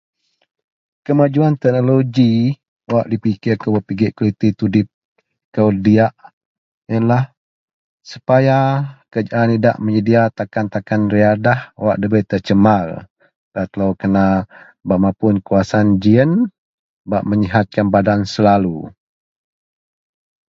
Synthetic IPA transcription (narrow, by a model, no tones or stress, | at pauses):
kəmad͡ʒuant̪ɛk̚noloɡi | waʔdipikɪrkəbəpiɡɪʔkolit̪it̪udip̚ | kəwdiaʔ | jəlah | su̥pajakəd͡ʒaʔanida̰ʔməɲədiat̪akant̪akanriadahwaʔdəbəjt̪ət͡ʃəmal | d̥at̪əlawkəna | baʔmapʊnkuasand͡ʒiən | baʔməɲiɦat̪̚kanbadansəlalu